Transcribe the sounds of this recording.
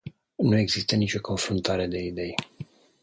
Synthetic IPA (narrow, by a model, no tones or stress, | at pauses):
nue̞ɡzist̪ənit͡ʃʲo̞ko̞nfɾunt̪aɾe̞d̪e̞id̪e̞j